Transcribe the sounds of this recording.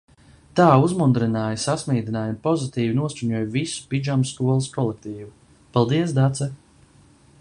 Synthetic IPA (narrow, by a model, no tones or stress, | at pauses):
t̪aːuzmund̪ɾinaːjsasmiːd̪ʲinaːjunpɔzit̪iːvinuɔsʲt͡ʃuɲuɔːjvisu̥pid͡ʒamskuɔlˠiskɔlˠek̚t̪iːvu | palˠd̪iɛs̬d̪at̪sɛ